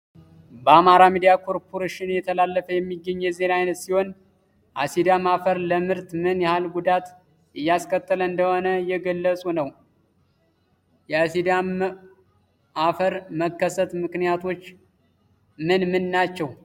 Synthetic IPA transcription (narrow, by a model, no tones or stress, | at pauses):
bəamaɾamid̪ijakʰo̞ɾpʰoɾeʃɪnjɛt̪ʰəlalːəfəjɛmːiɡːəɲːɛze̞naajnət̪siho̞n | ʔasid̪amafəɾləmɨɾt̪mɨnjɛhalɡud̪at̪ | ʔɨjːaskʰət̪ʰʼːələɨnd̪əho̞nəjɛɡəlːəsʼunəw | jɛasid̪am | ʔafəɾməkːəsət̪mɨknijat̪ʰo̞t͡ʃː | mɨnmɨnːat͡ʃːɛw